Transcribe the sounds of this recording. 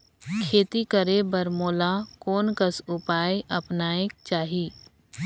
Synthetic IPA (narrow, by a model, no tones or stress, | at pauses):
kʰeːt̪ikəɾebəɾmoːlakoːnkəsʊpaːjʔɐpnaːek̚t͡ʃaːɦiː